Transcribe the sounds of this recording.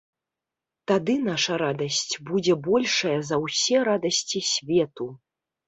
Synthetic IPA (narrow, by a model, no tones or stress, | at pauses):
t̪ad̪ɨnaʂɐɾad̪ɐsʲt͡sʲbud͡zʲɛbɔlʲʂɐjɐzɐwsʲɛɾad̪ɐsʲt͡sʲisʲvʲɛt̪u